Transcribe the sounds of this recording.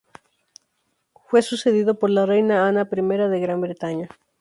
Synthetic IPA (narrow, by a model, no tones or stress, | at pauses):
fwe̞suse̞ð̞iðopoɾlarejnaanapɾime̞ɾaðe̞ɣɾambɾet̪aɲa